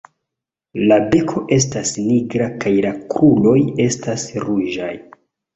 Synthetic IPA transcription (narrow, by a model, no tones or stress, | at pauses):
labe̞kʰo̞ʔe̞stasniɡɾakajlakɾulo̞je̞stasɾuʒa̰j